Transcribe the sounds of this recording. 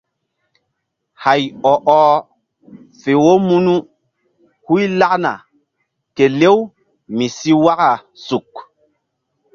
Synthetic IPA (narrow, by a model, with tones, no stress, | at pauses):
ha˨jɔ˨ʔɔː˨ | fe˨wo˦mu˦nu˦ | hu˦jla˦kna̰˨ | ke˨le˦w | mi˨si˦wa˦ka˨ | su˨k